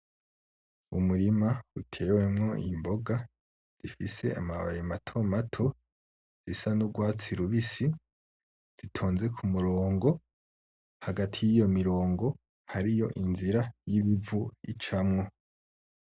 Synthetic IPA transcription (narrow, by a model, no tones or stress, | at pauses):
umuɾimautʰe̞ːwe̞mŋo̞ḭmbo̞ɡa | z̥ifise̞a̰maβa̰jimatʰo̞matʰo̞ | z̥isanuɡwaːt͡siɾuβisi | z̥itʰoːnze̞kʰumuɾoːŋɡo̞ | haɡatʰijijo̞miɾo̞ːŋɡo̞ | haɾijo̞ʔinziɾajiβivuḭt͡ʃamŋo̞